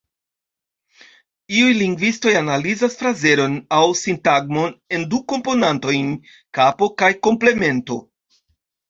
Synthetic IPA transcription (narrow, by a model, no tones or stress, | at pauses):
iujliŋɡvisto̞janalizasfɾaze̞ɾo̞nawsintaɡmo̞ne̞nduko̞mpo̞nanto̞jn | kapo̞kajko̞mple̞me̞nto̞̰